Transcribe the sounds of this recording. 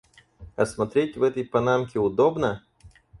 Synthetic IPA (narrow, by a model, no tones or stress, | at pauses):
ɐsmɐt̪ɾʲetʲvɛt̪əjpɐnamkʲɪʊd̪obnə